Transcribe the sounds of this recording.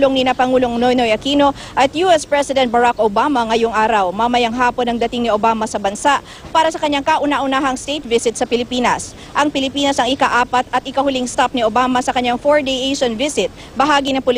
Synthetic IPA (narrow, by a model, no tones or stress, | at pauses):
loŋnɪnɐpɐŋuːlo̞ŋnojnojɐkiːno̞ | ʔɐt̪juʔɛspɹɛsɪd̪ɛnt̪̚bɐɾakʔobaːmɐŋɐjoŋʔaːɾɐwmɐmɐjɐŋɦaːpo̞nɐŋd̪ɐt̪ɪŋnɪʔobaːmɐsɐbɐnsaʔ | paːɾɐsɐkɐɲːaŋkaʔʊnaʔʊnaːɦɐŋst̪ejt̪̚vɪsɪt̪sɐpɪlɪpiːnɐs | ʔɐŋpɪlɪpiːnɐsɐŋɪkaʔaːpɐt̪ɐt̪ʔɪkɐhʊliŋst̪ap̚niʔobaːmɐsɐkɐɲːaŋfoɹd̪ejʔejʃonvɪsɪt̪̚ | bɐɦaːɡinɐŋpʊl